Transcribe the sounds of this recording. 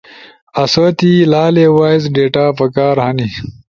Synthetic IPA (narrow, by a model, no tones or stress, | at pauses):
ɐsoːt̪ilaːlewaːizɖeːʈaːpɐkaːɾhɐni